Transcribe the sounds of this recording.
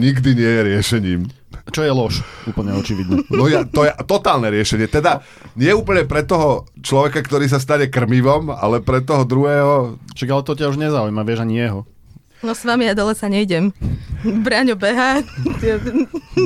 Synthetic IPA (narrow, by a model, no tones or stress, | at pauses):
ɲiɡd̪iɲɪɛjɛɾɪɛʃɛɲiːm | t͡ʃɔjɛlɔʃuːpl̩ɲɛɔt͡ʃiʋid̪ɲɛnɔjat̪ɔjɛt̪ɔt̪aːlnɛɾɪɛʃɛɲɪɛt̪ɛd̪a | ɲɪɛuːpl̩ɲɛpɾɛt̪ːɔɦɔt͡ʃlɔʋɛkakt̪ɔɾiːs̬as̬t̪aɲɛkr̩miʋɔma̰lɛpɾɛt̪ɔɦɔd̪ɾuɦɛːɦɔʃaɡalɛt̪ɔcauʒɲɛzaujmaʋɪɛʒaɲijɛɦɔ | nɔsʋamijad̪ɔlɛsaɲɛiɟɛm | bɾaːɲubɛɦat̪ɪɛ